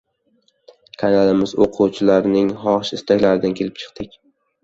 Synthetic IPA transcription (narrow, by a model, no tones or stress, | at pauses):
kʰanalɪmɪzoqʰuwt͡ʃʰɪlaɾnɪŋhɒʁʃɪst̪ʰakʲlaɾɪd̪ankʲʰe̞lɪpt͡ʃʰɨ̥q̚t̪ɪkʲ